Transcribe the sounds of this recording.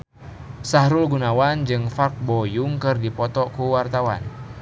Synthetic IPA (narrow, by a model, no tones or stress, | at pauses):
sahɾulɡunawand͡ʒɨŋfark̚bɔjuŋkɨrdipɔt̪ɔkuwart̪awa̰n